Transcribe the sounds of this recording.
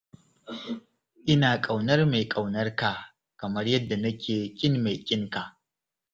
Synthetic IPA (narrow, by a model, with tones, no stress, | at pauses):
ʔɪ˦naː˨kʼa˨wnɐ˦rma˨jkʼa˨wnɐ˦rka˨ | kɐ˨mɐ˦rjɐ˦dːa˨nɐ˦kʲʰeː˨kʲʼɪ˦nma˨jkʲʼɪ˦ŋka˨ʔ